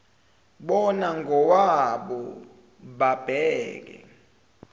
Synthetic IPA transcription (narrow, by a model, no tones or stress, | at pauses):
ɓɔnaŋɡʱɔwaɓɔ | ɓab̥ʱɛːk̬ɛ̰